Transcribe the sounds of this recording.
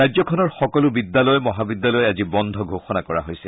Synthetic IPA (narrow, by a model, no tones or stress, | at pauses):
ajzɔkʰɔnɔɹxɔkɔlʊbid̪ːalɔjɔmɔɦabid̪ːjalɔjɛazibɔnd̪ʱɔɡʱoxɔnakɔɹa̰ɦojsɛ